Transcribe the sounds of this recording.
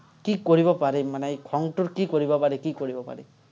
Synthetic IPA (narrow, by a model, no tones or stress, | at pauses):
kikɔɾibɔpaɾemanejkʰɔŋʈuɾkikɔɾibɔpaɾekikɔɾibɔpa̰ɾe